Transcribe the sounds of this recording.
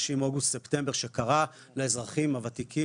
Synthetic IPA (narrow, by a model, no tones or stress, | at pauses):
ʃimoɡust̪sept̪e̞mbe̞ʁʃe̞kaʁa | laezʁaχimavat̪ikʰi